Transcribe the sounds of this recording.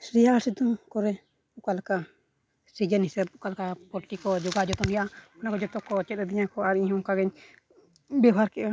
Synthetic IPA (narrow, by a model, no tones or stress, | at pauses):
sɾiaɾsɛt̪ɔŋkɔɾɛ | ukalka | siɡɛnhisɛb̚ukalkapɔɾʈikɔd͡ʒɔɡad͡ʒɔt̪ɔnijaʔaɔnakɔd͡ʒɔt̪ɔkɔt͡ʃɛt̪̚ɛd̪iɲakɔaɾiɲɦɔŋkaɡɛɲ | bɔbʱaɾkɛʔa